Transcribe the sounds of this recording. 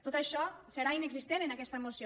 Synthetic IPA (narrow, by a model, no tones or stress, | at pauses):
t̪ot̪aʃɔseɾaineksist̪enenakɛst̪aemosio